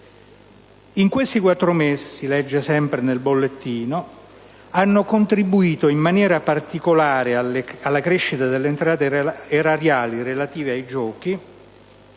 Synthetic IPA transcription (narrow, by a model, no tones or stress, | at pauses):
iŋkwest̪ikwat̪ːɾomeːsisilɛd͡ʒːesɛmpɾenelbolːet̪ːiːno | anːokont̪ɾibuiːt̪oimmanjɛːɾapart̪ikolaːɾeaalːakɾeʃːit̪ad̪elːeːnt̪ɾaːt̪eeraɾjaːliɾelat̪iːveajd͡ʒɔːk̟i